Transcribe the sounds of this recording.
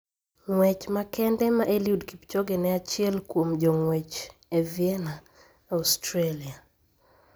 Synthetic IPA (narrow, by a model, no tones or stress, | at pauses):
ŋwɛt͡ʃmakɛndɛmaʔeljudkipt͡ʃoɡɛnɛat͡ʃɪɛlkwomd͡ʒɔŋwɛt͡ʃeviɛna | astɾelia